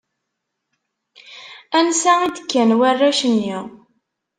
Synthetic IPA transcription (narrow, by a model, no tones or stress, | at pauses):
ænsæid̪əkːænwærːæʃənːiʁ